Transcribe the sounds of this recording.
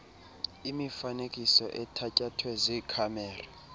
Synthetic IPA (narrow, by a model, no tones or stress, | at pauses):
imifanekʼisɔʔɛtʰacʼatʰwɛzikʰamɛːra